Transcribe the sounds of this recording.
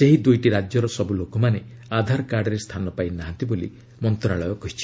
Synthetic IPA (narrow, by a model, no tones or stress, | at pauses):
seɦid̪ujʈiɾad͡ʒjɔɾɔsɔbulokɔmane | ad̪ʱaɾɔkaɾɖɔɾest̪ʰanɔpajnaɦant̪ibolḭ | mɔnt̪ɾaɭɔjɔkɔɦit͡ʃʰi̥